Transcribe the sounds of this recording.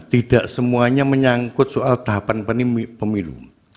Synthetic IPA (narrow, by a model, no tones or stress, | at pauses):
t̪id̥a̤ʔsəmuaɲaməɲaŋkʊt̪̚soʔalt̪aɦapanpənimipəmilṵ